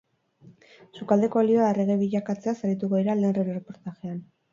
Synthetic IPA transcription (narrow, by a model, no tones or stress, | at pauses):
sukald̪e̞koːlio̞aere̞ɣeβiʎakat͡se̞asaɾit̪̬uɣo̞ðiɾaleːnreɾerepo̞ɾt̪aʝe̞an